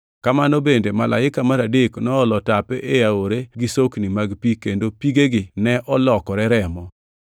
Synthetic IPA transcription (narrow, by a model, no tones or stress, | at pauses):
kamanobendemalʔa̰ɪkamaɾadeknɔːlɔtapɛʔeaoɾeɡɪsoknimaɡpikendopiɡeɡɪnɛʔɔlɔkɔɾɛɾɛmɔ